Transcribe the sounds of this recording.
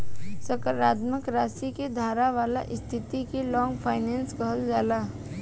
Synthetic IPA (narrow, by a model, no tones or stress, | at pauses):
səkəɾaːd̪məkɾaːsiked̪ʱaːɾaʋaːla̰ʔɪst̪ʰit̪ikelɔːŋɡpʰaːɪnɛːnskəɦəld͡ʒaːla